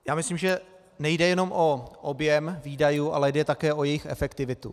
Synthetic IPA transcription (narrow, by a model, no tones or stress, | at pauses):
jaːmɪslimʒɛ | nɛjdɛjɛno̞mʔo̞ʔobjɛmviːdajuːʔa̰lɛjdɛt̪akɛːʔo̞jɛjɪxɛ̰fɛkt̪ɪvɪt̪ṵ